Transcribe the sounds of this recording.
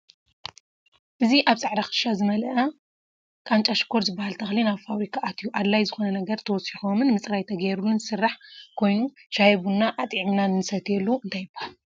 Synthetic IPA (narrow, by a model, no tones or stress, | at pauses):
ʔɨziʔaβsʼaʕɾaxɨ̥ʃazɨmɐlɐʔa | kʼant͡ʃʼaʃi̥kʰːoɾzɨbːahalt̪ʰɐxlinaβfaβɾikʰaʔːt̪ʰjuʔad̪lajzɨxo̞nɐnɐɡɐɾt̪ʰɐwɔsixo̞mɨnmɨt͡sʼɾajt̪ʰɐɡɐjɾulunɨsɨrːaħkʰo̞jnuʃajβunːaʔat̪ʼʕimnanɨɨsɐt̪ʰjɛlːuɨnt̪ʰajɪbahal